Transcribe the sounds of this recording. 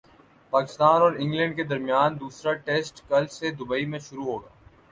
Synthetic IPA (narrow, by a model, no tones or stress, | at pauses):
paːkɪ̥st̪aːnɔːɾɪ̃ŋɡlə̃ɳɖked̪ɐɾmijaːnd̪uːsɾaʈeːsʈkɐlsed̪ʊbəimẽʃʊɾuɦoːɡaː